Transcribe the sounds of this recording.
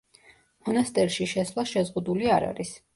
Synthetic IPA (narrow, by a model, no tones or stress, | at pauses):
mɔnast̪ʼɛɾʃiʃɛsvlˠaʃɛzʁud̪uliaɾa̰ɾis